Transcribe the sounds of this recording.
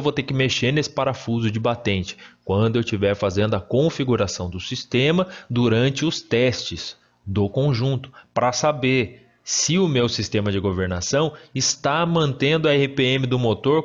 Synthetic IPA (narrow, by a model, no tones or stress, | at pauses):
wvowt̪eɾkɪmeʃeɾnesɪ̥paɾafuzʊd͡ʒɪbat̪ẽnt͡ʃɪ̥kwɐ̃nd̪ʊewt͡ʃivɛɾfazẽnd̪ʊɐkõfiɡuɾasɐ̃w̃d̪ʊsist̪ẽmɐd̪uɾɐ̃nt͡ʃɪʊst̪ɛst͡ʃɪz | d̪ʊkõʒũnt̪ʊ̥pɾɐsabeɾ | sɪʊmewsist̪ẽmɐd͡ʒɪɡoveɾnasɐ̃w̃ɪst̪amɐ̃nt̪ẽnd̪ʊɐɛhɪpeẽmɪd̪ʊmot̪oɾ